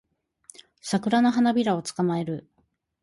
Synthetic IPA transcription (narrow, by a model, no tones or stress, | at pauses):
sakɯ̟ɾanaɦanabʲiɾao̞t͡sɨ̥kamae̞ɾɯ̟